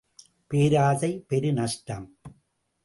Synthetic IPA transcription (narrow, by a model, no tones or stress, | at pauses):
peːɾaːðɐɪpɛɾɯnɐʂʈɐm